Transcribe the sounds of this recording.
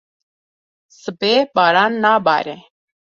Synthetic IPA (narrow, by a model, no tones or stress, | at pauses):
səbeːɓaːɾaːnːaːba̰ːɾẽː